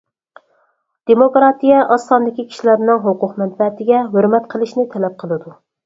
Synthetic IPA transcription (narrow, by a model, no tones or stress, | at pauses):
d̪̥emokɾɑt̪ijɛʔɑsːɑnd̪ɪkʲikʲʰi̥ʃilæɾnɪŋɦoqʊqmɛd̪̚bɛt̪ʰɪɡʲɛɦøɾmɛt̪qʰəlˠɨʃnɪt̪ʰɛlɛp̚qʰəlˠɨd̪u